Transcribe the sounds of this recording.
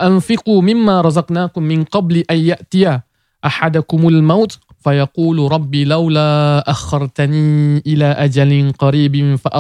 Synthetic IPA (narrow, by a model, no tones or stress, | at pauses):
ʔanfɪquːmɪmːaːɾˤɑzɑqnaːkʊmːɪnqɑbliʔanjaʔt̪ɪjaː | ʔaħad̪akʊmalmawt̪ | fajɑquːlɾˤɑbːiːlawlaːʔaxːɑɾˤt̪aniːʔɪlaːʔad͡ʒalɪnqɑɾiːbɪfaʔa